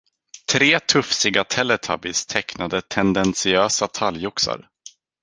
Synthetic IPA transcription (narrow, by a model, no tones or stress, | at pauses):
t̪ʰɾeːt̪ʰɵfsɪɡat̪ʰɛlːɛt̪ʰa̰bɪst̪ʰɛknad̪ət̪ʰɛnd̪ɛnsɪøːsat̪ʰaljʊksa̰ɾ